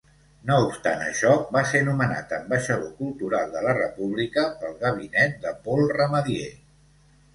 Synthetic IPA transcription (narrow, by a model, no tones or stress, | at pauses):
noupst̪a̰nə̰ʃɔbasenuməna̰t̪əmbəʃəðokulˠt̪uɾalˠd̪ələrəpuβ̞likəpəlˠɣəβ̞inɛt̪̚d̪əpɔlˠrəməðie